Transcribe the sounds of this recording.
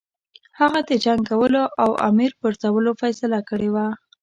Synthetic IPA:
haɣad̪ed͡ʒaŋɡawəloʔawʔa̰miɾpəɾzawəlofajsɪlakəɽewa

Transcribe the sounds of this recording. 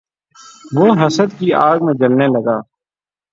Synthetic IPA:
ʋoːɦəsəd̪kiaːɡmẽd͡ʒəlneləɡaː

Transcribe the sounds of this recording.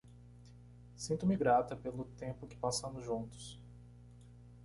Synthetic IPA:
sĩnt̪ʊmɪɡɾat̪ɐpelʊt̪ẽpʊkɪ̥pasɐ̃mʊzʒũt̪ʊ̥s

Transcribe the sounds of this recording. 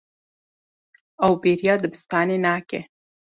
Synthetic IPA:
awbeɾjɑd̪əbɪst̪ɑnenɑke

